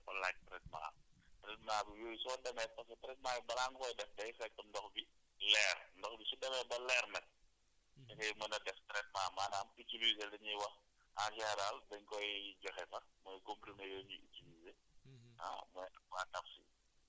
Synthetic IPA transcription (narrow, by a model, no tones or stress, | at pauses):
kɐlak̚tɾɛt̚ma̰ːtɾɛtmaːbijoːjsɔːdɐmɛːt̚pɐskɐtɐɾɛt̚maːjibɐɾaːŋkɔjdɛfdɛjfɛk̚tɔndɔxbi | lɛːrndɔxbisudɐmɛbɐlɛrnɐt̚ | sɛkɛjmɐnɐdɛftɾɛt̚maːmaːnaːmitiliːzedɐɲiwɐx | aʃɛɾaldɐɲkɔjɟɔxɛfɐmɔjkompɾimejoːɲuitiliːze | a̰mɔjɐmatɐfsḭ